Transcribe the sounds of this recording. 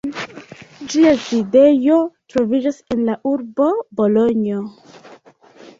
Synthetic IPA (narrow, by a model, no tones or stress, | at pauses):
d͡ʒiaside̞jo̞tɾo̞vid͡ʒase̞nlaʔuɾbo̞bo̞lo̞ɲio